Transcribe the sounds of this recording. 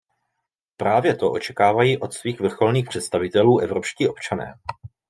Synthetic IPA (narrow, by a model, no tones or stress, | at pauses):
pɾaːvjɛt̪o̞ʔo̞t͡ʃɛkaːvajiːʔo̞t̪sviːxvr̩xo̞lniːxpr̝̥ɛt̪st̪avɪt̪ɛluːʔɛvɾo̞pʃciːʔo̞pt͡ʃanɛ̰ː